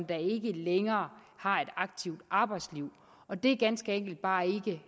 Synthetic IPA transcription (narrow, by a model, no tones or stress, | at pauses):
nd̥ɑ̈e̝ɡ̥əleŋɐːhɑ̈e̝ɾ̥ɑ̈ɡ̥̚t͡sʰiʊd̥ʔɑ̈ːb̥ɑ̈ɪd̥sliʊ̰ | ɒ̽d̥e̝æɡ̥ænsɡ̥əeŋ̰ɡ̥l̩d̥̚b̥ɑ̈ːe̝ɡ̥ə